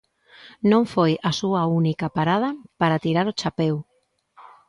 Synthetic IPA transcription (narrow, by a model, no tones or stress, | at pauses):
nõɱfojasuaunikapaɾað̞ɐpaɾat̪iɾaɾot͡ʃapew